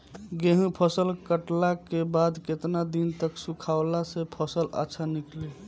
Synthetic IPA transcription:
ɡeɦũpʰəsəlkəʈlakebad̪ket̪nad̪int̪əksũkʰawlasepʰəsələ̰tːʃʰanikli

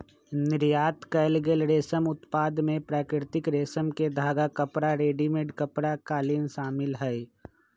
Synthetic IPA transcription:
nɪɾjaːt̪kɐɪlɡelɾeːsəmʊt̪paːd̪mẽpɾaːkɾɪɾt̪ɪkɾeːsəmked̪ʱaːɡakɐpɾaɾeːɖimeɖkɐpɾakaːlɪnʃaːmɪlɦɛe

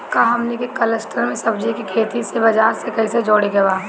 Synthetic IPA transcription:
kaɦɐmnekekɐləsʈʰəɾmẽsɐbd͡ʒikikʰeːt̪isebɐd͡ʒaːɾsekɐised͡ʒoːɽeɡɐbaː

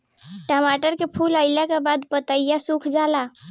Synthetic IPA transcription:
ʈəmaʈəɾkepʰuləɪlakebad̪pət̪əjjasukʰd͡ʒala

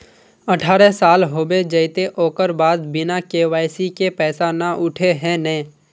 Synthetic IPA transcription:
əʈʰaːɾɛsaːlɦoːbed͡ʒəɪt̪eʔoːkəɾbaːd̪bɪnakewaːɪsikepɛːsanaʔʊʈʰeɦɛ̃nɛ̃ː

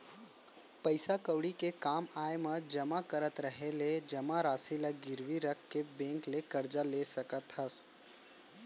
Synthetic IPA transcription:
pəɪsakəwɽikekaːmaːjmãd͡ʒɐmakəɾət̪ɾəɦeled͡ʒɐmaɾaːsiləɡɪɾwiɾəkʰːebẽːŋklekɐɾd͡ʒaleːsɐkət̪ɦɐs

